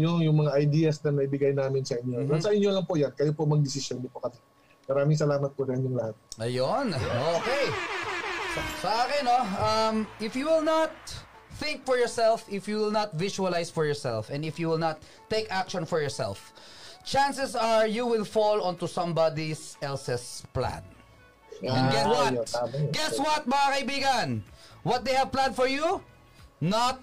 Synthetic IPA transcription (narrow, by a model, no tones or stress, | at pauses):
joŋjʊŋmɐŋaʔɐjd̪iːɐsnɐnɐʔɪbɪɡajnaːmɪnsɐʔɪɲːonɐsɐʔɪnjolɐŋpoʔjankɐjopomɐɡ̚d̪ɪsɪsjond̪ɪpokɐsɛ̥ | mɐɾaːmɪŋsɐlaːmɐt̪̚pod̪ɐɪnjʊŋlɐhat̪̚ʔɐjonokej | sɐsɐʔaːkɪnoɐmʔɪfjuwɪlnɐt̪̚ | θɪ̃ŋkfɔɹjɔɹsɛlfɪfjuwɪlnɐt̪̚vɪʃuɐlajsfɔɹjɔɹsɛ̰lfɛ̃nɪfjuwɪlnɐt̪ːejkakʃɔ̃nfɔɹjɔɹsɛ̰lft͡ʃãnsɛsaɹjuwɪlfɔlɔ̃nt̪usʌ̃mbad̪isɛlsɛsplã̰n | ɛ̃nɡɛt̪wat̪ɡɛswɐt̪̚mɐŋakɐibiɡɐ̃nwɔt̪̚d̪ejɐvplãnfɔɹju | nat̪̚